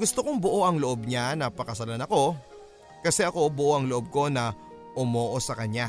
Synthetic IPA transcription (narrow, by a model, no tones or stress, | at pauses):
ɡʊst̪okoŋboʔo̞ʔɐŋloʔob̚ɲanɐpɐkɐsɐlanɐko̞ | kɐsɛʔɐko̞bʊʔoʔɐŋloʔo̞b̚ko̞nɐ | ʔʊmo̞ːʔo̞sɐkɐɲa